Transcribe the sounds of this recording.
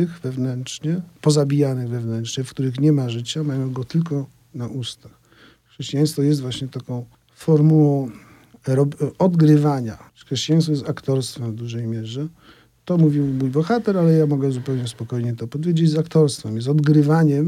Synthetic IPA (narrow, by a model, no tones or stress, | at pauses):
ɘxvɛvnɛntʂɲɛpɔzabʲijanɘɣvɛvnɛnt͡ʂɲɛfkt̪uɾɘxɲɛmaʐɘt͡ɕamajɔ̃w̃ɡɔt̪ɘlkɔ | naʔust̪ax | ʂɛɕt͡ɕijaj̃st̪fɔjɛst̪vwaɕɲɛt̪akɔ̃w̃ | fɔɾmuwɔ̃w̃ | ɾɔbɔd̪ɡɾɘvaɲa | xʂɛɕt͡ɕijaj̃st̪fɔjɛst̪akt̪ɔɾst̪fɛɱvd̪uʐɛjmʲjɛʐɛ | t̪ɔmuvʲiwmujbɔxat̪ɛɾalɛjamɔɡɛzupɛwɲɛspɔkɔjɲɛt̪ɔpɔd̪vʲjed͡ʑezakt̪ɔɾst̪fɛmjɛst̪ɔd̪ɡɾɘvaɲɛm